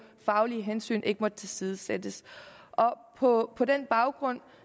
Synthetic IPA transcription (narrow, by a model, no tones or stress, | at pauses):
fɑ̈ʊliɦensy̰ːnʔe̝ɡ̥əmɒ̽d̥t͡sʰe̝lsiːð̞ˠəsed̥əsʔɒ̽ | pʰɒ̽pʰɒ̽d̥enb̥ɑ̈ʊɡ̥ʁɔ̽n̰